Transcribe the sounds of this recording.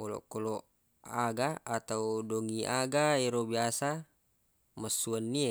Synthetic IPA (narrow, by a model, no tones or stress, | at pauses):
ɔlɔ̰ʔkolɔ | aɡaat̪audoŋiʔaɡaeɾobiasa | məsuanːia